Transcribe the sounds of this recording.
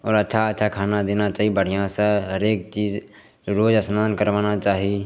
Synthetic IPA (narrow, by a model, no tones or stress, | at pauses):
ɔːɾətːʃʰaətːʃʰakʰaːnad̪eːnat͡ʃaːɦiebəɽ̤ijãsəɦəɾeːk̚t͡ʃiːd͡ʒ | ɾoːd͡ʒəsnaːd̪nkəɾʋaːnat͡ʃaːɦie